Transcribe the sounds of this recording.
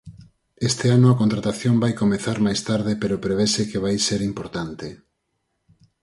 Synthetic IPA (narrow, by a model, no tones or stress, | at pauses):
est̪ɪanʊakont̪ɾat̪aθjombajkomeθaɾmajst̪aɾðepeɾopɾeβesekeβ̞ajseɾimpoɾt̪ant̪e